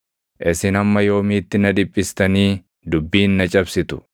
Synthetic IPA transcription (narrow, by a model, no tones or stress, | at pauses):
ʔɪsɪnɐmːɐjo̞ːmiːt̪ːɪnɐd̪ɪpʼːɪst̪ɐniː | d̪ʊbːiːnːɐt͡ʃʼɐbsɪt̪ʊ̥